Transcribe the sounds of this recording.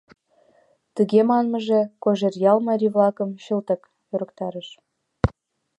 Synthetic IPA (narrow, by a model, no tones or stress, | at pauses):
t̪əɣemɑnməʒekoʒerjɑlmɑɾʲivlɑkəmɕəlt̪ək | jøɾə̆kt̪ɑɾəʃ